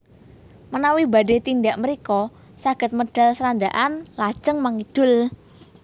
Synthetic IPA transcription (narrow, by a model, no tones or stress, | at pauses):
mənawiba̤ɖet̪indaʔməɾikɔ | saɡ̥ə̤t̪̚məɖ̥a̤lsəɾand̪aʔanlḁʒ̥əŋmaŋid̪̥ʊ̤l